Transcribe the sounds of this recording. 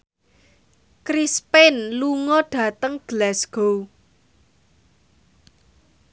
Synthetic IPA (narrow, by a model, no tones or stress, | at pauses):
kɾispɛnluŋɔɖ̥ä̤t̪əŋɡ̥əlɛsɡ̥ow